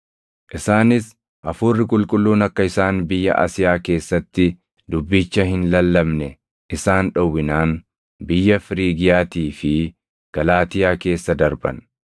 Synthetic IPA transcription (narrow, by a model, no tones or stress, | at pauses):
ʔɪsaːnɪs | ʔɐfuːrːɪkʼʊlkʼʊlːuːnɐkːɐɪsaːnbɪjːɐ̰ʔa̰sɪjaːke̞ːsːɐt̪ːɪ | d̪ʊbːɪt͡ʃːɐhɪnlɐlːɐmnɛ | ɪsaːnᶑɐwːɪnaːn | bɪjːɐfɪɾiːɡɪjaːt̪iːfɪ | ɡ̥ɐlaːt̪ɪjaːke̞ːsːɐd̪ɐɾbɐ̰n